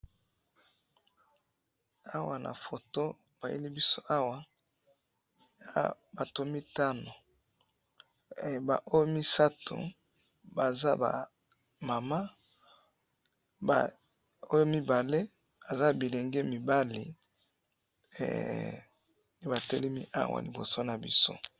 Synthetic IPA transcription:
a˦wa̰˨nʔa̰˨fo˨to˦ | b̥a˨jḛ˦li˦bi˦so˦a˦wa˦ | ja̰˦ba˨to˨˦mi˦ta˦no˨ | ba̰˨ʔo˦jo˦mi˦sa˦to̰˨ | ba˨za˦ba̰˨ | ma˨ma˦ | ba̰˨ | o˦jo˦mi˦ba˨le˦ | ba˨za˦bi˨le˨ŋɡe˦mi˨ba˦lḭ˨ | ne˦ba˨tɛ˦le˦mi˦ʔa̰˦wa̰˨li˨bo̰˨so˦na˨bḭ˦so̰˦

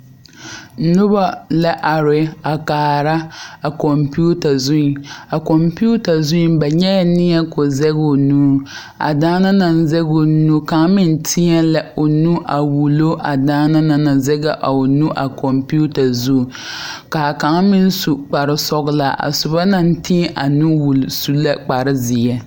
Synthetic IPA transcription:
nʊ˦ba˦la˦ʔa˨ɾɪ˨a˨kaː˨ɾa˦a˨kɔ˨mpu˦ta˨zʊ˦˨a˨kɔ˨mpu˦ta˨zʊ˦ba˨ɲɛ˦ja˨nɪ˦ɲɛ˦kʊ˨zɛ˦ɡo˨nuː˦ | a̰˨daː˦na˦na˨n˦zɛ˦ɡo˨nu˦ka˨ŋ˦mɪ˦n˦tʰɪ˦ɲɛ˦la˦o˨nu˦ʔa˨wu˨lo˦ʔa˨daː˦na˦na˨na˨zɛ˦ɡa˨ʔa˨o˨nu˦ʔa˨kɔ˨mpu˦ta˨zu˦˨ | ka˨ka˨ŋ˦mɪ˦n˦su˨k͡pa˨ɾɪ˦sɔ˦ɡla̰˨ʔa̰˨sʊ˨ba˦na˦n˦ti˦ʔa˨nu˦wu˨lsu˦la˦k͡pa˨ɾɪ˦zɪ˨ɛ˦

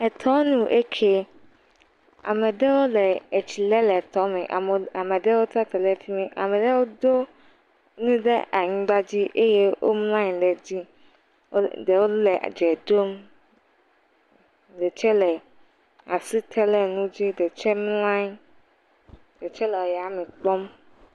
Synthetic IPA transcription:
ɛ˨t̪ʰɔ˦nũ˦ʔe˦kʰe˦ | a̰˨mɛ˨dɛ˦wo˦lɛ˨e˨t͡ɕi˨lɛ˦lɛ˨t̪ɔ˨˦mɛ̃˨ʔa˨a˨mɛ˨dɛ˦wo˦t̪ɾa˦t̪ɛ˨lɛ˦fi˦mɛ̃˨ʔa̰˨mɛ̃˨dɛ˦wo˦d̪o˦ | nũ˦ɖɛ̰˦ʔa˨ɲĩ˦ɡ͡ba˦d͡ʑi˦ʔe˦je˦wʔo̰˦mlã˦ɲ̃˨lɛ˨d͡ʑi˦ | de˨wo˦lɛ˨d͡ʒɛ˨d̪o˦m | dɛ˨t͡ʃɛ˦lɛ˨ | a˨si˦t̪ʰɛ˦lɛ˦nũ˦d͡ʑi˦dɛ˨t͡ʃɛ˦m˦ã˦ɲ˦ | de˨t͡ʃɛ˦lɛ˨wo˨˦ja˨˦mɛ̃˨k͡pɔ˦m

